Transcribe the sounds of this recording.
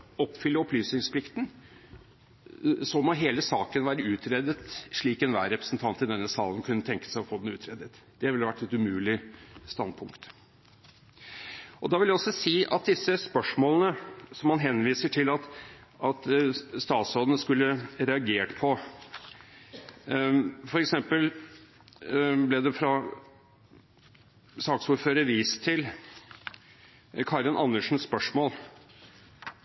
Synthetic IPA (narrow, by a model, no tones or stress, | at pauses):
ɔpfʏlːəɔplyːsnɪŋspʰlɪkt̪n | sɔmɔɦeːləsɑːkənʋɑːɾəʉːt̪ʰɾɛːd̪ət̪ʂɭiːkɛnʋæ̰ːɾɛpɾəsn̩t̪ʰɑnt̪ɪd̪ɛnːəsɑːln̩kʰʉnːət̪ʰɛŋkə̥sæɪɔfoːd̪ɛnʉːt̪ʰɾɛːd̪ət̪ | d̪̥ɛʋɪlːʋæʈːɛt̪ʉmʉːlɪst̪ɑnd̪̚pʰʊŋkt̪ | ʔɔd̪ɑːʋɪljæɔsːɔsiːʔɑ̰t̪̚d̪ɪsːəspœʂmoːlənəsɔmːɑnɦɛnʋiːsəʈʰɪlɑt̪ɑt̪st̪ɑːt̪soːd̪ənəskʉlːəɾɛɑɡeːʈpʰɔ | fɔɾɛksɛmpəl | blɛd̪ɛfɾɑ | sɑːksuːɾføːɾəʋiːst̪ʰɪl | kʰɑɾənʔɑ̰nːəʂn̩spœʂmoːl